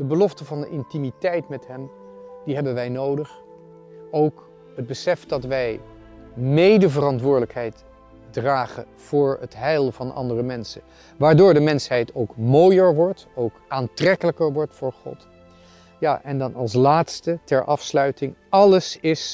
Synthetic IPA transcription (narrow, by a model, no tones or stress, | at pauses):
d̥əbəlɔftəvɑndəʔɪntimitɛjtmɛtɦɛm | diɦɛbənʋɛjnowdəχ | owk | ɦəd̚bəsɛfd̥ɑtʋɛj | mejdəvərɑntʋʊːɹdələkɦɛjt | draːχə | v̥ʊːɹətɦɛjlˠvɑnʔɑ̰ndərəmɛnsə | ʋaːɹdʊːɹdəmɛnsɦɛjtowkmoːjəɹʋɔɹtowkʔaːntrɛkələkəɹʋɔɹtfʊːɹχɔ̰t | jaːʔɛndɑnɑ̰lˠs̬laːtstətɛɹʔɑfslœɥtɪŋɑləsɪs